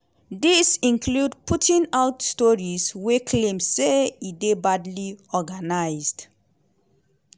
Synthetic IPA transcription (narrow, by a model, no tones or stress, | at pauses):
disĩnkʰludpʰutʰĩnaʊtstɔɹizwekʰlẽmseidebadliɔɡanaɪzd̥